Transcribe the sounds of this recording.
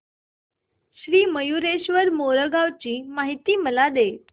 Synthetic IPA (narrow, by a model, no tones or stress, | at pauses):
ɕɾiːməjuɾeɕʋəɾmoɾəɡaʋt͡ɕiːmaɦit̪iːməlad̪e